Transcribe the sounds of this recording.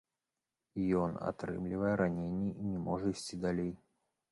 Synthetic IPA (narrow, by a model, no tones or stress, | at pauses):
jɔna̰t̪ɾɨ̰mlʲivəjɛɾanʲenʲːiinʲɛmɔʐəisʲt͡sʲid̪alʲej